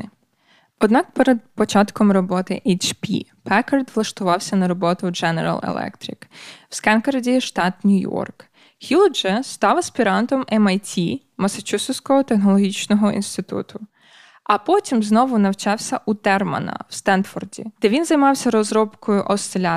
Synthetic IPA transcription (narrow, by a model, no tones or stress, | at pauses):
ɔd̪nɑkpeɾed̪̚pɔt͡ʃɑt̪kɔmrɔbɔt̪ɪʔet͡ʃpʲḭpɛkɐrd̪ʋlˠɐʃt̪ʊʋɑwsʲɐnɐɾɔbɔt̪ʊd͡ʒɛnḛɾɐ̰lˠḛlˠɛ̰kt̪ɾɪ̰kw̥skɛnkɐɾdʲiʃt̪ɑt̪nʲujɔ̰rk | hʲilˠd͡ʒɛst̪ɑʋɐsʲpʲiɾɑnt̪ɔmɛmɐjtʲi | mɐsɐt͡ʃʲusɪwsʲkɔɦɔt̪exnɔlˠɔɦʲit͡ʃnɔɦɔḭnst̪ɪt̪ṵt̪ʰʊ | ɐpɔtʲimznɔʋʊnɐwt͡ʃɑwsʲɐʔut̪ɛrmɐ̰nɐ̰wst̪ɛnfɔrdʲḭd̪̥ɛʋʲinzɐjmɑwsʲɐɾɔzɾɔbkɔjʊʔɔst̪elʲa